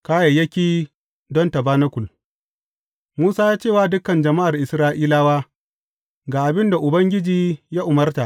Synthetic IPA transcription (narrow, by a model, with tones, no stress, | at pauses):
kaː˦ja˨jːɐ˦kʲiː˦ | dɔ˦nta˨baː˦na˦kʷʊ˨l | muː˦saː˦jaː˦t͡ʃeː˦˨waː˦dʊ˦kɐ˨nd͡ʒɐ˨ma˦ʔa˨rʔɪ˨sɾaː˦ʔiː˦laː˦waː˦ | ɡaː˨ʔa˨bɪ˦nda˨ʔʊ˨bɐ˦ŋɡʲɪ˦d͡ʒiː˦jaː˦ʔʊ˨mɐ˦rta˨ʔ